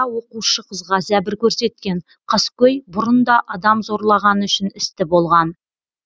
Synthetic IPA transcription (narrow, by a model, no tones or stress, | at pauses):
wo̞quʃəqʰəzʁɑzæbɪɾkʲʰɵɾse̞t̪̚kʲe̞ɴ | qʰɑskʲɵjbʊɾənd̪ɑʔɑd̪ɑmzo̞ɾlˠɑʁɑnʏʃɪnɪst̪ɪbo̞lˠʁɑn